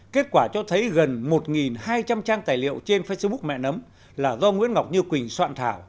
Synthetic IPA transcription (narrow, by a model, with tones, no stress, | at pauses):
ke˦˥t̚kwaː˧˩t͡ɕɔ˧t̪ʰə˨˦jɣə˨˩nmo˨˩t̚ŋi˨˩nhaː˧jt͡ɕa˧mt͡ɕaː˧ŋt̪aː˨˩jlḭ˧˨əwt͡ɕe˧nfe˧sɓu˦˥k̚mɛ̰˧˨nə˨˦m | laː˨˩zɔ˧ŋwḭ˧˥ənŋa˨˩wk͡p̚ɲɨ˧kwï˨˩ŋ̟swa̰ː˧˨nt̪ʰaː˧˩w